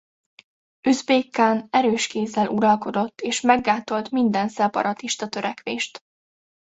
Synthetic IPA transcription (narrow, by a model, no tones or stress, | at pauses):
øzbeːkːaːnɛɾøːʃkeːzːɛlʔuɾɒlko̞d̪o̞t̪ːeːʃmɛɡːaːt̪o̞lt̪mind̪ɛnsɛpɒ̰ɾɒt̪iʃt̪ɒt̪øɾɛkʋeːʃt̪